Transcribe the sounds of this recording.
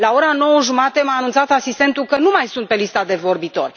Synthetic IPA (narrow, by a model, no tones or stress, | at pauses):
lao̞ɾano̞wəʒumat̪emaːnunt̪sat̪asist̪e̞nt̪ukənumajsunt̪̚pe̞list̪ad̪e̞vo̞rbit̪o̞̰rʲ